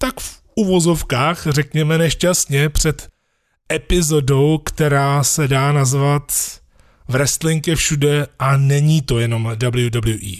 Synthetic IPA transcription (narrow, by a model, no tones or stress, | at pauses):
t̪akfʔuvo̞zo̞fkaːxrɛkɲɛmɛnɛʃcast̪ɲɛpr̝̥ɛt̪ | ʔɛpɪzo̞do̞wkt̪ɛɾaːsɛdaːnazvat̪ | vɾɛst̪lɪŋkɛfʃudɛʔanɛɲiːt̪o̞jɛno̞mdabljudabljuʔḭː